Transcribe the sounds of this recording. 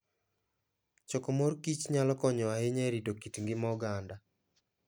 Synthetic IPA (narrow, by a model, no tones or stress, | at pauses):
t͡ʃɔkɔmorkit͡ʃɲalɔkɔɲɔahɪɲɛɾidokitŋɡɪmɔɡanda